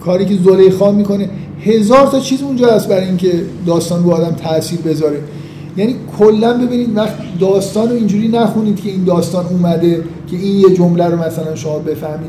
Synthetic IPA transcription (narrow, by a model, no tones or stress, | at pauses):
kʰɒːɾiːce̞zolejxɒːmiːkʰo̞ne | he̞zɒːɾt̪ʰɒːt͡ʃʰiːzund͡ʒɒːhæst̪̚bæɾɒiŋkʰe̞d̪ɒːst̪ɒːnboːd̪æmt̪ʰæʔsiːɾbe̞zɒːɾe̞ | jæːniːkʰolːænbe̞biːniːd̪væχt̪id̪ɒːst̪ɒːnoiːnd͡ʒuːɾiːnæxuniːd̪̥cʰe̞iːnd̪ɒːst̪ɒːnuːmæd̪e̞cʲʰe̞iːnjed͡ʒomlæɾomæsælænʃo̞mɒːbe̞fæhmiːd̪